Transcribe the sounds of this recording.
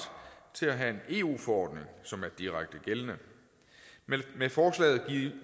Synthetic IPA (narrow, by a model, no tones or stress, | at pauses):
t͡sʰe̝læɦæe̝ne̝ːṵːfɒɒ̰ːd̥ne̝ŋsɒ̽mæɐd̥iʁaɡ̥̚d̥əɡ̥elənə | mefɒːslɛ̰ːð̩ˠɡ̥iðˠ